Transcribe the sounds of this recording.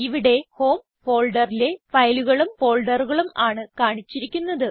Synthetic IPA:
iʋiɽe̞ho̞ːm | fo̞ːɭɖɐrile̞fɐjluɣɐɭumfo̞ːɭɖɐruɣɐɭumaːɳɨkaːɳit͡ɕːiɾikʲːunːɐðɨ

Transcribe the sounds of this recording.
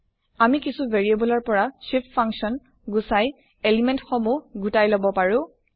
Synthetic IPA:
amikisuvʱeɹiebɔlɔɹpɔɹasippʰaŋksɔn | ɡusaj | elimẽntxɔmuɡutajlobɔpaɹʊ̃

